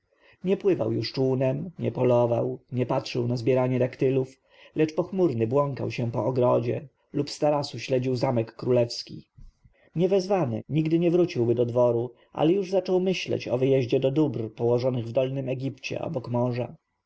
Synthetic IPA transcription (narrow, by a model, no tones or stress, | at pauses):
ɲɛpwɘva̰wjuʂt͡ʂunɛmɲɛpɔlɔva̰wɲɛpatʂɘwnazbʲjɛɾaɲɛd̪akt̪ɘluf | lɛt͡ʂpɔxmuɾnɘbwɔŋka̰wɕɛpɔːɡɾɔd͡ʑɛ̰ | lupst̪aɾasuɕlɛd͡ʑiwzamɛkːɾulɛfskʲḭ | ɲɛvɛzvanɘ̰ɲiɡd̪ɘɲɛvɾut͡ɕiwbɘd̪ɔd̪vɔɾu | ʔa̰lɛjuʐzat͡ʂɔwmɘɕlɛ̰t͡ɕɔvɘjɛʑd͡ʑɛd̪ɔd̪ubrpɔwɔʐɔnɘɣvd̪ɔlnɘmɛɡʲipt͡ɕɛ̰ʔɔ̰bɔkmɔʐa